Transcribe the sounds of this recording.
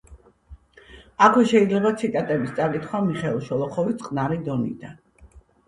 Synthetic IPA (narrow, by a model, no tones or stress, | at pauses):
akʰwɛʃɛid̪zlɛbat̪sʰit̪ʼat̪ʼɛbist̪sʼakʼit̪ʰχwamiχɛlˠʃɔlˠɔχɔvit̪sʼqʼnaɾid̪ɔnḭd̪an